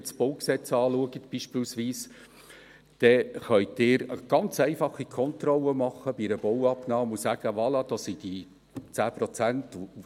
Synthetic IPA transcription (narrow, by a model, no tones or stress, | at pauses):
sb̥owksɛt͡sɑːluəɡətb̥iːʃpɪːlsʋiːs | d̪̥ɛχœʏtɪːɾəɡ̥ɑnt͡sɛɪfɑχːikʰɔnt̪rɔləmɑχːəb̥iɾəb̥ɔwɑpnɑːmusæːɡ̥əʋɑlɑd̥̪ɑːsid̥i | t͡sæːpɾɔt͡sænt